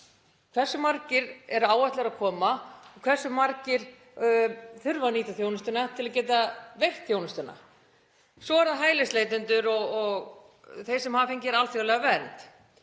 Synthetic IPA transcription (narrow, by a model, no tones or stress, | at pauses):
kʰv̥ɛrsːʏmaɾcɪɾɛɾaːwaht̪lɛɾakʰɔːmaɔkʰvɛ̥sːʏmaɾcɪɾ̥ | θʏɾvaniːt̪aθjownʏst̪ʏnat̪ʰɪlaðcɛːt̪avejht̪θjownʏst̪ʏnːa̰ | sɔaɾ̥θaɦaːjlɪsleːjt̪ʏnt̪ʏɾɔɣɔɣ | θej̥sɛmhaːfhejɲcɪɛɾalθjoɣlɛɣavɛːɾɪnt̪